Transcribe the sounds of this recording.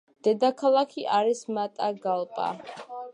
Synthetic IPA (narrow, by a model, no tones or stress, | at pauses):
d̪̥ɛd̪akʰalˠakʰiʔaɾismat̪ʼaɡalˠpʼa̰